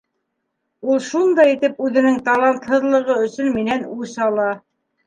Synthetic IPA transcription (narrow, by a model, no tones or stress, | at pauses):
ulˠʃund̪ɑjit̪ɘpʉðɘ̆nɘŋt̪ɑlˠɑnt̪hɤ̆ðlˠɤ̆ʁɤɵ̆sɵnminænusɑlˠɑ